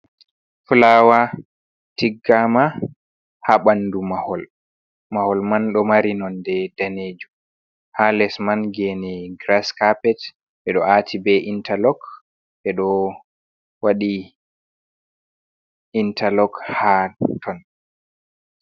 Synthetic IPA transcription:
fulawa | tiɡːama | haɓandumahɔl | mahɔlmanɗɔmaɾinɔndɛdaneːd͡ʒum | halɛsmanɡɛnɛɡɾaskapɛt | ɓɛɗɔatʰibɛʔintʰalɔk | ɓɛɗɔ | waɗi | intʰalɔkhatʰɔn

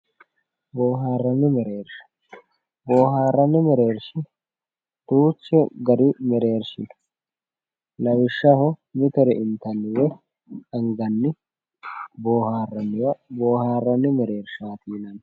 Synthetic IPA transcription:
boːɦaːrːɐnːɪmɛɾeːɾʃɐ̥ | boːɦaːrːɐnːɪmɛɾeːɾʃɪ | t̪uːt͡ʃːɛɡɐɾɪmɛɾe̞ːɾʃɪn | lɐwɪʃːɐhɔmɪt̪ɛɾɛʔɪnt̪ɐnːɪwɛ | ɐŋɡɐnːɪ | boːhaːrːɐnːɪwɐboːhaːrːɐnːɪmɛɾe̞ːɾʃaːt̪iːnɐn

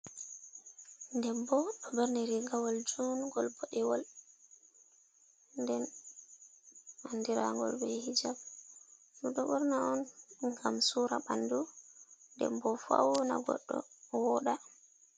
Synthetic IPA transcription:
ndɛmbɔɗɔbɛɾnɛɾiɡawɔld͡ʒunɡɔlbɔɗɛwɔl | ndɛn | anːdiɾa̰ŋɡɔ̰lbɛhid͡ʒab | nuɗɔɓɔɾnaɔnŋɡamsuɾaɓandundɛ̰mbɔfa̰wna̰ɡɔ̰ɗːɔ̰wɔɗa

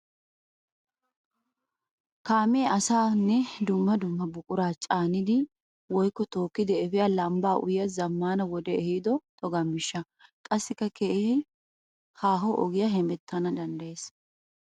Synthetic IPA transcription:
kaːmeɐsaːnːɛd̪ʊmːɐd̪ʊmːɐbʊkʼʊɾaːt͡ʃʼaːnɪd̪ɪ | wɔjkːɔt̪o̞ːkːɪd̪ɛɛfɪjalɐmbaːʔʊjɐzɐmːaːnɐwɔd̪ɛɛhiːd̪ɔt̪ɔɡɐmːɪʃːɐ | kʼɐsːɪkːɐkʰeɪhɪ | haːɦɔʔɔɡɪjɐɦɛmɛt̪ːɐnɐd̪ɐnd̪ɐjeːs

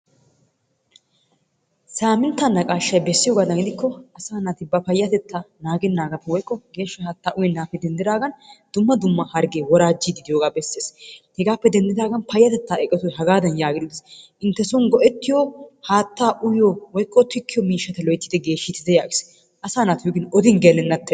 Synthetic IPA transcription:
saːmɪnt̪ːanːɐkʼaːʃːɐjbɛsːɪjoɡaːd̪ɐɡɪd̪ɪkːɔɐsaːnat̪ɪbɐpɐjːɐt̪ɛt̪ːanaːɡɛnːaːɡɐt̪ːɪwɔjkːɔɡe̞ːʃːɐhaːt̪ːaːʔʊjɛnːaːpːɛd̪ɛnd̪ɪd̪aːɡɐnd̪̥ʊmːɐd̪ʊmːɐhɐɾɡeːwɔɾaːd͡ʒːɪd̪ɪd̪ɪjoːɡaːbɛsːeːshɛɡaːpːɛd̪ɛnd̪ɪd̪aːɡɐnpʰɐjːɐt̪ɛt̪ːaːɛkʼːɛt̪ɔjɦɐɡaːd̪ɐnjaːɡɪd̪ʊd̪ɪsʔɪnt̪ːɛsɔnɡɔʔɛt̪ːɪjɔhaːt̪ːaːʔʊjowɔjkːɔt̪ɪkːɪjɔmiːʃːɐt̪ɛlɔjt̪ːɪd̪ɛɡe̞ːʃːɪt̪ːɪd̪ɛjaːɡɪs | ʔɐsaːnaːt̪ɪjoɡɪnɔd̪ɪnɡelɛnːɐt̪ːɛ

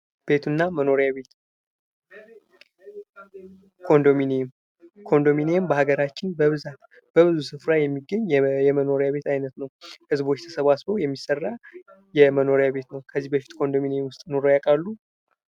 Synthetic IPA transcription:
b̥e̞t̪ʰunːaməno̞ɾjaβet̪ | kʰo̞nd̪ominem | kʰo̞nd̪o̞minejɛmbəhaɡəɾat͡ʃːɪnbəβɨzat̪ | b̥əβɨzusɨfɾajɛmːiɡəɲːɛməno̞ɾjaβe̞t̪ʰajnət̪nəwhɨzbo̞t͡ʃːt̪ʰə̥səβasbo̞jɛmːisərːa | jɛməno̞ɾjaβe̞t̪nəwkʰəzːihbəfi̥t̪ʼkʰo̞nd̪o̞minewʊst̪ʼno̞ɾo̞jakʼalːu

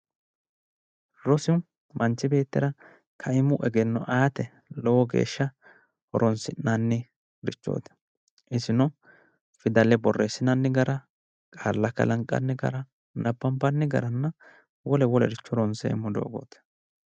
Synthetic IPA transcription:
ɾɔsɪw | mɐnt͡ʃːɪbe̞ːt̪ːɪɾɐ | kʰɐɪmʊʔɛɡɛnːɔʔaːt̪ɛ | lɔwɔɡḛːʃːɐ | hɔɾɔnsɪnnanːɪ | ɾɪt͡ʃːo̰ːt̪ɪ̥ | ʔɪsɪnɔ | fɪd̪ɐlɛbɔrːeːsɪnɐnːɪɡɐɾɐ | kʼaːlːɐkːɐ̰lɐŋkʼːɐ̰nːɪɡɐ̰ɾɐ | nɐbːɐmpːɐnːɪɡɐ̰ɾɐnːɐ | wɔlɛwɔlɛɾɪt͡ʃːɔɾɔnsḛːmːʊd̪o̰ːɡo̰ːt̪ɛ̥

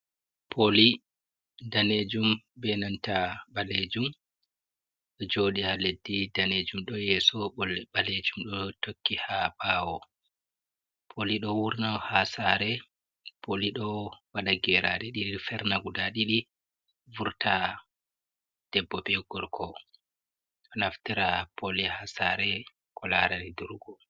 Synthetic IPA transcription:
pʰoli | daned͡ʒum | bɛnantaɓaled͡ʒum | ɗɔd͡ʒoːɗihaledːidaned͡ʒumɗɔjɛsɔɔlɓaled͡ʒumɗɔtokːihabaːwɔ | pʰoliɗɔwuɾnawhasaɾɛ | pʰoliɗɔwaɗaɡɛɾa̰ɗiɗiɗifɛɾnaɡudaɗiɗi | vuɾta | d̥ɛbːɔbɛɡɔɾkʰɔ | ɔnaftiɾapʰolihasaɾɛ | kʰɔlaɾɛɾɛduɾɡɔ

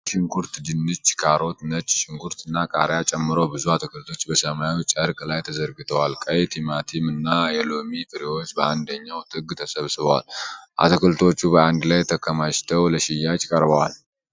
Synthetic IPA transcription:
ʃɪŋkʰuɾt̪d͡ʒɨnːɨt͡ʃːkʰaɾo̞t̪nət͡ʃːʃɪŋkuɾt̪ɨnːakʼaɾjat͡ʃʼɛmːɨɾəwbɨzuhat̪ʰɨkʰɨlt̪ʰo̞t͡ʃːbəsəmajut͡ʃʼəɾkʼlajt̪ʰəzəɾɡɨt̪ʰəwalkʼəjt̪ʰimat̪ʰimɨnːajɛlomifʰɨɾewo̞t͡ʃːbəand̪əɲːawt̪ʰʼɨɡt̪ʰəsəβsɨβəwa̰lʔa̰t̪ʰɨkʰɨlt̪ʰo̞t͡ʃːubəand̪lajt̪ʰəkʰːəmaʃt̪ʰəwləʃijat͡ʃkʼəɾbəwal

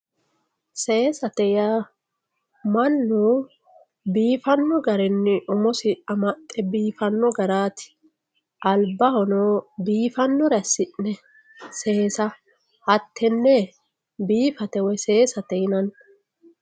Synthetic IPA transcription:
se̞ːsɐt̪ɛja | mɐnːuː | biːfɐnːɔɡɐɾɛnːɪʔɔmɔsɪɐmɐt̪ʼːɛbiːfɐnːɔɡɐɾaːt̪ɪ̥ | ʔɐlbɐhɔnoːbiːfɐnːɔɾɐsɪʔːɛ | se̞ːsɐ | hɐt̪ːɛnːɛ | biːfɐt̪ɛwɛse̞ːsɐt̪ɛjnɐn

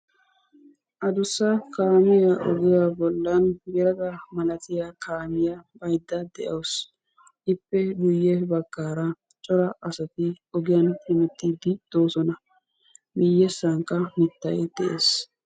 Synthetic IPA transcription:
ʔɐd̪ʊsːɐkaːmɪjaʔɔ̰ɡɪjabɔlːɐnɡɛɾɐɡɐmɐlɐt̪ɪjakʰaːmɪjabɐjd̪ːɐd̪ɛʔɐws | ʔɪpːɛɗʊjːɛbɐɡːaːɾɐ | t͡ʃʼɔɾɐʔɐsɐt̪ɪ | ɔɡɪjɐnhɪmɛt̪ːiːd̪ɪd̪̥o̞ːsɔnɐ | mɪjːɛsɐŋkːɐmɪt̪ːɐ̰jd̪̥ɛʔḛːs

